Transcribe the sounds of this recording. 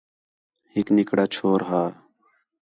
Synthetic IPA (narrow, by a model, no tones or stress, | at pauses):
hɪknɪkɽaːt͡ʃʰoːɾɦaː